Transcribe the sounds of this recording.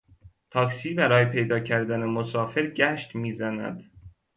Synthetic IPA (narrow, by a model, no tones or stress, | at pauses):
t̪ʰɒːksiːbæɾɒːjepʰe̞jd̪ɒːcʰæɾd̪ænemosɒːfeɾɟæʃt̪miːzænæ̰d̪̥